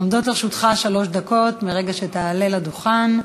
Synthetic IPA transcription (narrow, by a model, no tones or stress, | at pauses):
omd̪otaʁʃut̪χaʃalo̞ʃdako̞tmeʁeɡaʃet̪aːle̞lad̪uχan